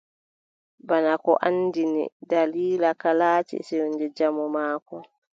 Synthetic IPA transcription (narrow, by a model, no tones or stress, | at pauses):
banakɔʔanːdinḭdaliːlakalaːt͡ʃɛ̰sewndɛd͡ʒamɔmaːkɔ